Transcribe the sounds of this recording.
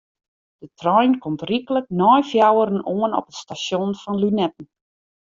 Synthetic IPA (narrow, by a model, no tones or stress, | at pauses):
d̥ətʰrɔjnkɔmtrikələk̚nɔjfjawəɾənoənɔ̰pətstasjonfɔnlynɛt̚n̩